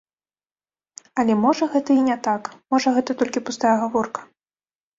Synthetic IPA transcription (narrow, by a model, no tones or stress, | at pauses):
ɐlʲɛmɔʐɐɣɛt̪ɐinʲɛt̪akmɔʐɐɣɛt̪ɐt̪ɔlʲkʲipust̪ajɛɣavɔrkɐ̥